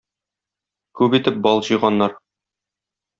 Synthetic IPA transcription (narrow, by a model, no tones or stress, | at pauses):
kʉpit̪ɘp̚bɒlˠʑɤ̆jʁɑnːɑɾ